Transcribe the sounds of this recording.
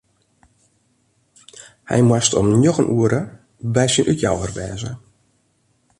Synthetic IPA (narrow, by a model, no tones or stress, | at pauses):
hɛ̰jmwastʰɔmnjoɣənʔuəɾə | bɛjsinʔykja̰wərʋɛːzə̰